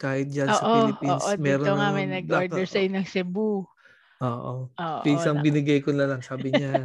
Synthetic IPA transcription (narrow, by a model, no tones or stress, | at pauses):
kaːhɪt̪̚d͡ʒɐnosːɐʔolɪpionʔsʔodmɛːɾooŋɐmɐjnɐɡ̚ʔoɹd̪ɛɹsɐʔɪɲoŋsɛbu | ʔoːʔoʔoːʔɪsɐŋbɪnɪɡɐjkonlɐlɐŋsaːbɪɲa